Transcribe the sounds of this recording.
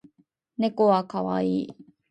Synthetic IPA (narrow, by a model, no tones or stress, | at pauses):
nekoakʰawa̰i